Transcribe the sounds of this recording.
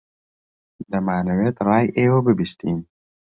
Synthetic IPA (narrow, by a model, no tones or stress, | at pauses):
d̪ɐmaːnɐweːt̪rɑːjʔeːwɐbɨbist̪ʰḭːn